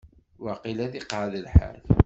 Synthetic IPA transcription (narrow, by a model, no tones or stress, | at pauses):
waqilæðiqaʕðəlħa̰l